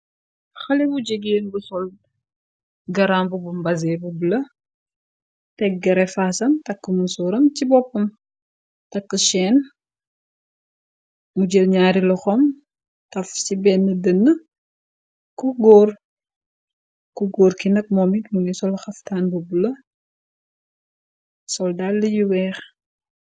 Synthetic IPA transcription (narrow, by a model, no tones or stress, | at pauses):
xɐlibuɟeɡeːlbusɔl | ɡɐɾaːmbubumbɐzɛbubulɐ | tɛɡɐɾɛfaːsɐmtɐkːəmusɔːɾɐmcibɔpːɐm | tɐkːəʃɛːn | muɟelɲaːɾilɐxɔm | tɐfsibɛnːədənːə | kuɡɔːr | kuɡoːɾkinɐk̚mɔmitmunisɔlxɐftaːnbubulɐ | sɔldalːəjuwɛːx